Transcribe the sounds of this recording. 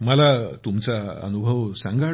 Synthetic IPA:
məlat̪umt͡saə̰nubʱəʋsãŋɡa

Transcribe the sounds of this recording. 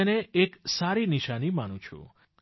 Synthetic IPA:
eneeksaɾiniʃanimanũt͡ʃʰṵ̃

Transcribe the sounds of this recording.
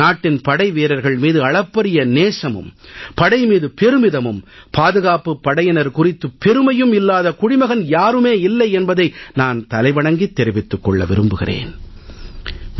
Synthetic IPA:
aːʈːɪnpɐɽɐɪʋeːɾɐɾɣɐɭmiːðɯɐɭɐpːɐɾɪjɐneːʂɐmɯ̰mpɐɽɐɪmiːðɯpɛɾɯmɪðɐmɯmpaːðɯɣaːpɯpːɐɽɐjɐnɐɾkʊrɪt̪ːɯpːɛɾɯmɐjɯmɪlːaːðɐkʊɽɪmɐɣɐnjaːɾɯmeːɪlːɐɪɛnbɐðɐɪnaːnt̪ɐlɐɪʋɐɳɐŋɡit̪ːɛɾɪʋɪt̪ːɯkːɔɭːɐ̰ʋɪɾɯmbɯɣɪ̰rḛːn

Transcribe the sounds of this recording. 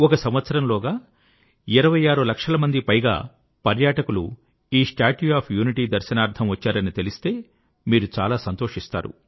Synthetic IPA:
ɔkɐsɐmʋɐt̪sɐɾɐmloːɡaː | iɾɐʋɐjaːɾulɐkʂɐlɐmɐnd̪ipɐjɡa̰ː | pɐɾjaːʈɐkulṵ | iːʂʈaːʈuaːpʰjuːniʈiːd̪ɐɾʃɐnaːɾt̪ʰɐmʋɐt͡ʃːaːɾɐnit̪e̞list̪e̞ː | miːɾut͡ʃaːlaːsɐnt̪oːʂist̪a̰ːɾṵ

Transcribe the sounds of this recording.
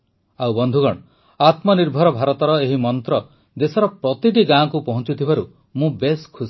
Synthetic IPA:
awbɔnd̪ʱuɡɔɽɔ | at̪mɔniɾbʱɔɾɔbʱaɾɔt̪ɔɾɔeɦimɔnt̪ɾɔ | d̪esɔɾɔpɾɔt̪iʈiɡãkupɔɦɔ̃nt͡ʃut̪ʰibʱaɾu | mũbeskʰus

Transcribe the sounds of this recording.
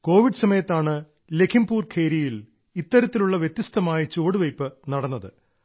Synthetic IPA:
ko̞ːʋiɖɨsɐmɐjɐt̪ːaːɳɨ | le̞kʰimbuːrkʰeːɾijil | it̪ːɐɾɐt̪ːiluɭːɐʋjet̪ːjist̪ɐmaːjɐt͡ɕoːɽɨʋɐjpːɨnɐɽɐnːɐðɨ

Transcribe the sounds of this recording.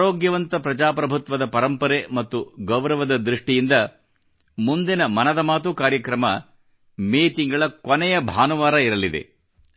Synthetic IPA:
ɾoːɡjɐʋɐnt̪ɐpɾɐd͡ʒaːpɾɐbʱut̪ʋɐd̪ɐpɐɾɐmpɐɾemɐt̪ːuɡɐwɾɐʋɐd̪ɐd̪ɾiʂʈijind̪ɐ | mund̪inɐmɐnɐd̪ɐmaːt̪ukaːɾjɐkɾɐmɐ | meːt̪iŋɡɐɭɐkɔnɛjɐbʱaːnuʋaːɾɐiɾɐlid̪e̞̰

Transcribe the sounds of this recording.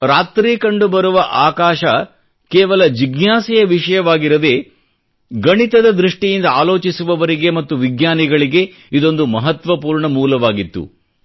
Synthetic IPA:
ɾaːt̪ɾiːkɐɳɖubɐɾuʋɐʔaːkaːʃɐ | keːʋɐlɐd͡ʒiɡnaːsɛjɐʋiʃɐjɐʋaːɡiɾɐd̪e̞ | ɡɐɳit̪ɐd̪ɐd̪ɾuʂʈijind̪ɐaːlo̞ːt͡ʃisuʋɐʋɐɾiɡemɐt̪ːuʋiɡɲaːniɡɐɭiɡe̞ | id̪o̞nd̪umɐɦɐt̪ʋɐpuːɾɳɐmuːlɐʋaːɡit̪ːṵ

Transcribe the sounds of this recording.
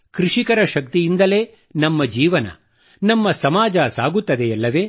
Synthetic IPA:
kɾuʂikɐɾɐʃɐk̚t̪ijind̪ɐle̞ː | nɐmːɐd͡ʒiːʋɐnɐ̰ | nɐmːɐsɐmaːd͡ʒɐsa̰ːɡut̪ːɐd̪eɐlːɐʋe̞ː

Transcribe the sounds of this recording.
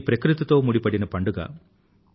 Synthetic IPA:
pɾɐkɾut̪ɐt̪o̞ːmuɽipɐɽinɐpɐɳɖuɡa̰ː

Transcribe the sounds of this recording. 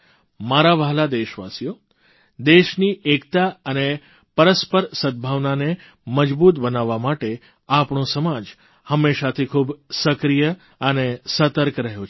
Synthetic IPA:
maɾaʋaɦlad̪eʃʋa̰sijo | d̪eʃniʔekt̪aəne | pəɾəspəɾsəd̪̚bʱaʋnane | məd͡ʒbut̪bənaʋːamaʈe | apɳõsəmad͡ʒ | həmːeʃat̪ʰikʰubsəkɾijə | ənesət̪əɾkɾəɦjot͡ʃʰ

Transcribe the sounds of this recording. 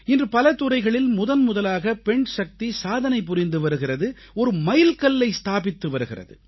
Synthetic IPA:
ɪndrɯpɐlɐt̪ɯrɐɪɣɐɭɪlmʊðɐnmʊðɐlaːɣɐpɛɳsɐk̚t̪isaːðɐnɐɪp̬ːʊrɪnd̪ɯʋɐɾɯɣɪrɐðɯ | ɔɾɯmɐjɪlkɐlːɐɪst̪aːpɪt̪ːɯʋɐɾɯɣɪrɐ̰ðɯ̰

